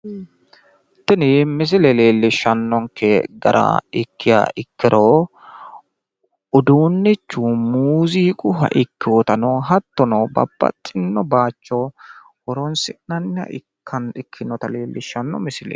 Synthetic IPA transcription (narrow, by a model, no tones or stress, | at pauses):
t̪ːɪnɪmɪs̬ɪlɛleːlːɪʃːɐnːɔŋkɛɡɐɾʔɐ̰ɪkːɪja̰ɪkːɪɾʔoː | ʊd̪uːnːɛt͡ʃːuːmuːziːkʼʊɦɐ̰ʔɪkːɪɔt̪ɐnoːɦɐt̪ːɔnɔbɐ̰bːɐ̰t̪ʼːɪnːɔbaːt͡ʃːɔ | ɔɾɔnsɪʔnɐnːɪɐ̰ʔɪkʰːɐnɪkʰːɪnːɔt̪ɐleːlːɪʃːɐnːɔ̰mɪsɪlɛ̰